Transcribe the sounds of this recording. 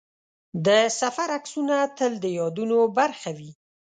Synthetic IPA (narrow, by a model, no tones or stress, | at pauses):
d̪əsafaɾaksunat̪əld̪əjɑd̪unobaɾxawi